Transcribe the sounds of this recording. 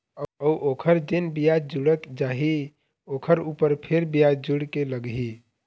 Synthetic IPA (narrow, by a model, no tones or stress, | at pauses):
əuʔokʰəɾd͡ʒenbijad̪d͡ʒuɽət̪d͡ʒaːɦi | okʰəɾupəɾpʰeɾbijad̪̚d͡ʒuɽkeləɡɦi